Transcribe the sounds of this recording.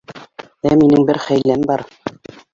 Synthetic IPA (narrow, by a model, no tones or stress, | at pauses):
æminɘŋbɘɾχæjlːæmbɑɾ